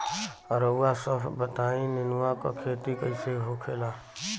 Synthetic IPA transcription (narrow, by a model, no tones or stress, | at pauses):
əɾoasəbʰʱbət̪aːĩnɪnwako̰kʰeːt̪ikəɪseɦokʰeːlaː